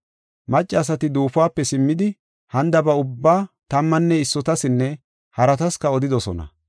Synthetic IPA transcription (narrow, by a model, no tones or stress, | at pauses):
mɐt͡ʃʼːɐɐs̬ɐt̪ɪd̪uːfwaːpːɛsɪmːɪd̪ɪ | hɐnd̪ɐbɐʊbːaːt̪ɐmːɐnːɛɪsːɔt̪ɐsɪnːɛ | hɐɾɐt̪ɐskɐɔd̪ɪd̪ɔsɔ̰nɐ̰